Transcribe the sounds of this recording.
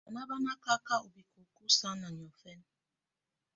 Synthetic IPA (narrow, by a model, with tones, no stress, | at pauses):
a˨na˦ba˦na˦ka˦ka˦u˨bi˨ku˨ku˦sa˦na˨ɲ˨ɔ˨fɛ˦n